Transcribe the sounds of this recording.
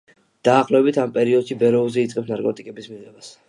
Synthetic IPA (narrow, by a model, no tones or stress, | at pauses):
d̪̥aːχlɔɛbit̪ʰampʼɛɾiɔd̪̥ʃibɛɾɔulˠzɛit̪sʼqʼɛpsnaɾkʼɔt̪ʼikʼɛbismiʁɛbas